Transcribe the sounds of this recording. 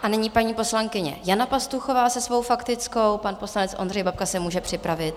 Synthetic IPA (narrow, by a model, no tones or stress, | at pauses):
ʔanɛɲipaɲiːpo̞slaŋkɪɲɛ̰janapast̪uxovaːsɛsvo̞wfakt̪ɪt͡sko̞wpanpo̞slanɛt͡sʔondrɛjbap̚kasɛmuːʒɛpr̥ɪpɾavɪt̪̚